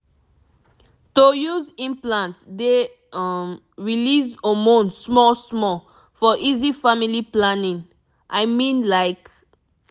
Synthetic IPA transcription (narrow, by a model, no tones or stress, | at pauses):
tojuzĩmplãntde | am | ɹilizomõnsmɔsmɔ | fɔʔizifamiliplãnĩŋ | ʔaɪmĩnlaɪk